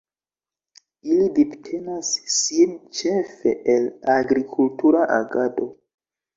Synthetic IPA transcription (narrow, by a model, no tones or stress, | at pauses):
ilidiptʰe̞nasːint͡ʃe̞fe̞̰ʔelaɡɾikʰultuɾaʔaɡado